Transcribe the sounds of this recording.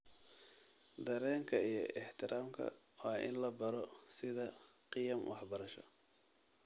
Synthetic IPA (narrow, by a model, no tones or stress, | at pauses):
d̪ɐɾɛːŋkʰɐijɞʔɪħt̪ʰɪɾʔaːmkʰɐ̰ | waːʔɪ̰nlɐbɐɾɔsɪðɐqɪjɐmwʔɑħbɐɾɐʃɔ̰